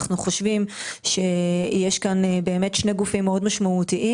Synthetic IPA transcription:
χnuχo̞ʃvimʃejeʃkanbe̞ːme̞tʃne̞ɡufimːeo̞dmaʃmaut̪iʔi

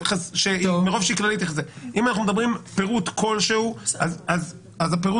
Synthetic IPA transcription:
χaʃemeʁovʃeiklalit̪iezeimanaχnumed̪abʁimpeʁut̪kʰo̞lʃeuazaz | azapeʁu

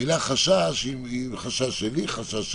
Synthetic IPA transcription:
ilaχaʃaʃimiχaʃaeliχaʃa

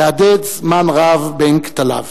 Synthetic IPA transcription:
adɪt͡smanʁavbɪŋkt̪ala̰v

